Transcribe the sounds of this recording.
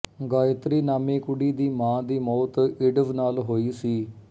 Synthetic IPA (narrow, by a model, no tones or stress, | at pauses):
ɡaːjɪt̪ɾiːnaːmẽːkʊɽiːd̪iːmãːd̪iːmɔːt̪ɪɖəʋnaːlɦoːiːsiː